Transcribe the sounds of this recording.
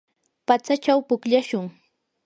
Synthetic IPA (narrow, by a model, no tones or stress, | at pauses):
pat͡sat͡ʃawpʊkʎaʃʊŋ